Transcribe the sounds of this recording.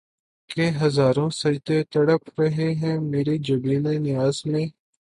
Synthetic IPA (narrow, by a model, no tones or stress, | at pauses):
keːɦəzaːɾõːsəd͡ʒd̪eːt̪əɽəpʰɾəɦeːɦɛ̃ːmeːɾiːd͡ʒəɡɾiːnẽːnɪjaːzmẽː